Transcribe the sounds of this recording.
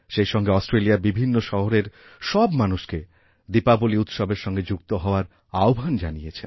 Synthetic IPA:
ʃejʃɔŋɡeɔsʈɾelijabibʱinːoʃɔɦoɾeɾ | ʃɔbmanuʃke | d̪ipaboliut̪ʃobeɾʃɔŋɡed͡ʑukt̪oɦɔoaɾ | aobʱand͡ʑanijet͡ɕʰen

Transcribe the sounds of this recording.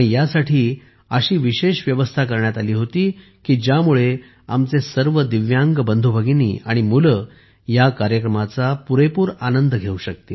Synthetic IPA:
aɽ̃ijasaʈʰiː | əɕiːʋiɕeɕʋjəʋəst̪ʰak̬əɾɳjat̪aliːɦot̪iː | kiːd͡ʑjamuɭe | a̰mt͡sesəɾʋəd̪iʋjaŋɡbənd̪ʱubʱəɡinḭːaɽ̃imulə | jakaɾjəkɾəmat͡sapuɾepuːɾanənd̪ɡʱeuɕək̚t̪i

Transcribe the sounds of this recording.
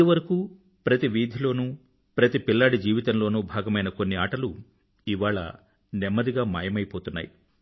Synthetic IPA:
iʋɐɾɐkuː | pɾɐt̪iʋiːd̪ʱilo̞ːnuː | pɾɐt̪ipilːaːɽid͡ʒiːʋit̪ɐmlo̞ːnuːbʱaːɡɐmɐjnɐko̞nːiaːʈɐlu | iʋaːɭɐ̰ | nɛmːɐd̪iɡaːma̰ːjɐmɐjpoːt̪unːa̰ːji

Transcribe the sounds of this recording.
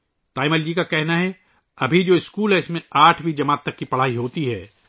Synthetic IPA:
t̪aːɪməld͡ʒikakɛɦnaɦɛ | ɐbʱid͡ʒoːɪskuːlɦɛɪsmẽaːʈʰbʱid͡ʒɐmaːt̪ːɐkːipɐɽ̤aːiɦoːt̪iɦɛː

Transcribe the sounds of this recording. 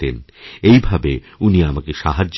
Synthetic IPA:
t̪en | ejbʱabe | uniamakeʃaɦad͡ʑː

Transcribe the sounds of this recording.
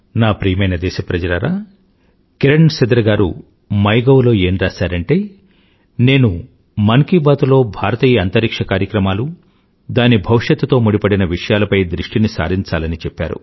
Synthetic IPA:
naːpɾiːjɐmɐjnɐd̪ɛːʃɐpɾɐd͡ʒɐɾaːɾaː | keɾɐɳsɐd̪ɾɐɡaːɾṵ | mɐjɡɐwlo̞ːeːnɾaːsaːɾɐɳʈe̞ː | ne̞ːnu | mɐŋkibaːt̪ulo̞ːbʱaːɾɐt̪iːjɐɐnt̪ɐɾikʂɐkaːɾjɐkɾɐmaːlu | d̪aːnibʱɐʋiʂjɐt̪ːt̪o̞ːmuɽipɐɽinɐʋiʂɐjaːlɐpɐjd̪ɾiʂʈinisa̰ːɾiɲt͡ʃaːlɐnit͡ʃɛpːa̰ːɾṵ

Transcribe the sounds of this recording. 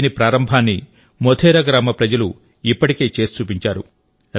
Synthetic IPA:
nipɾaːɾɐmbʱaːnːi | mod̪ʱʰeːɾɐɡɾaːmɐpɾɐd͡ʒɐlu | ipːɐʈike̞ːt͡ʃe̞ːst͡ʃuːpiɲt͡ʃaːɾu

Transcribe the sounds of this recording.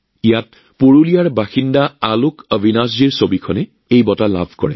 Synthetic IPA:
ijat̚ | poɹulijaɹbaxindaalʊkəbʱinasd͡ʒiɹsobikʰɔnɛ | ejbɔtala̰bʱkɔ̰ɹɛ̰

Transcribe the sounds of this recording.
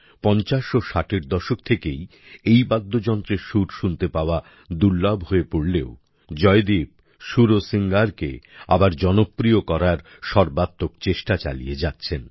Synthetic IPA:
pɔnt͡ɕaʃoʃaʈeɾd̪ɔʃokt̪ʰekej | ejbad̪ːod͡ʑɔnt̪ɾeɾʃuʈʃunt̪epaoa | d̪uɾlabɦoepoɽleo | d͡ʑɔed̪ib̚ | ʃuɾosiŋɡaɾkḛa̰baɾd͡ʑɔnopːɾijokɔɾaɾ | ʃɔɾbat̪ːokt͡ɕeʃʈat͡ɕa̰lḭjed͡ʑatːɕʰen

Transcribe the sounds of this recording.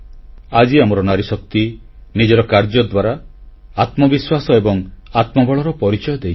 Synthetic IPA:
ad͡ʒiamɔɾɔnaɾisɔk̚t̪i | nid͡ʒɔɾɔkaɾd͡ʒɔd̪waɾaat̪mɔbiswasɔebɔŋat̪mɔbɔɭɔɾɔpɔɾit͡ʃɔjɔd̪ejt͡ʃʰ

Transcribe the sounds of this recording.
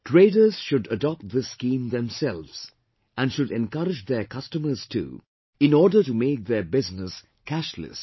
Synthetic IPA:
ʈʰɾeːdəɾz̥ʃʊɖədɔp̚t̚ðɪsːkĩːmðɛ̃msɛlʋz̥ | ʔæ̃nʃʊɖɛ̃nkʌɾɪd͡ʒd̪ɛkʰʌstəməɾz̥tʰṵː | ɪ̃nɔːɖətumeːk̚ðɛbɪznɪs | kʰæʃlə̰s

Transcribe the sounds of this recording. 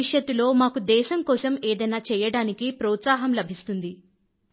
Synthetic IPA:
iʂjɐt̪ːulo̞ːmaːkud̪ɛːʃɐmkɔːsɐmeːd̪ɐjnaːt͡ʃɛːjɐɽaːnikipɾɔːt̪saːɦɐmlɐbʱist̪und̪i

